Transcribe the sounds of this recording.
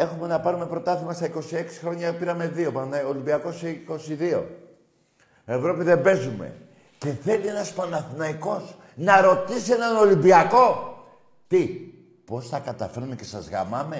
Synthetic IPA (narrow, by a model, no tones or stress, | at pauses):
e̞xume̞nɐpɐɾume̞pɾo̞t̪ɐθimɐst̪ɐiko̞sie̞ksi̥xɾo̞ɲɐpiɾɐme̞ðio̞pɐnɐolimbiɐko̞siiko̞siðio̞̰ | e̞vɾo̞piðe̞mbe̞zume̞̰ | ce̞θe̞lie̞nɐspɐnɐθinɐiko̞s | nɐɾo̞t̪isienɐno̞limbiɐko̞ | t̪i | po̞sθɐkɐt̪ɐfe̞ɾumece̞sɐzɣɐ̰mɐme̞